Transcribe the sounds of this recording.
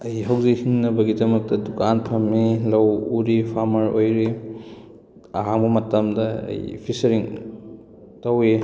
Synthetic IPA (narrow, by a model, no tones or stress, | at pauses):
ɐjɦɐwzikhiŋnɐbɐɡidɐmɐk̚tɐdukanpʰɐmilɐwuɾipʰaɾmɐɾojɾi | aɦaŋbɐmɐtɐmdɐɐ̰jpʰisɐɾiŋ | tɐwi